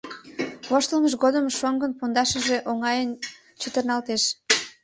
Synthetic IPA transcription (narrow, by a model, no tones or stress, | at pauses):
βoʃt̪əlməʃɣod̪əmʃoŋɡənpond̪ɑʃəʒe̽ʔoŋɑjən | t͡ɕət̪ərnɑlt̪eʃ